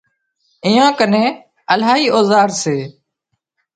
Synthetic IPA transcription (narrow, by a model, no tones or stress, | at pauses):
ɪːjãːkənẽː | əlaːiːʔoːzaːɾseː